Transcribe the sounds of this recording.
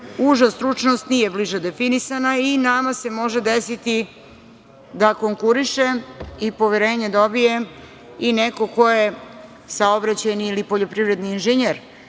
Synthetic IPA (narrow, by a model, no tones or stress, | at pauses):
uʒast̪ɾut͡ʃno̞st̪nije̞bliʒad̪efinisanainamase̞mo̞ʒed̪esit̪i | d̪akoŋkuɾiʃeipo̞ʋeɾe̞ːɲed̪o̞bije̞ | ineko̞ko̞je | saobɾat͡ɕajniilipo̞ʎo̞pɾiʋɾe̞d̪niːnʒeɲeɾ